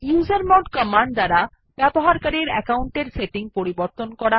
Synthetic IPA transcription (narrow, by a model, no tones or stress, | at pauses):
juzaɾmɔɖkəmaɳɖd̪aɾa | bɛboɦaɾkaɾiɾɛ̰kauɳʈeɾseʈiŋpoɾiboɾt̪onkɔɾa